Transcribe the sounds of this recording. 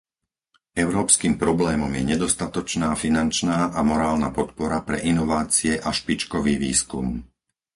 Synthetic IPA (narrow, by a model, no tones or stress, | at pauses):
ɛʊɾɔːpskiːmpɾɔblɛːmɔmjɛɲɛd̪ɔst̪at̪ɔt͡ʃnaːfinant͡ʃnaːʔamɔɾaːlnapɔt̪̚pɔɾapɾɛ̰ʔinɔʋaːt͡siɛʔaʃpit͡ʃkɔʋiːʋḭːskum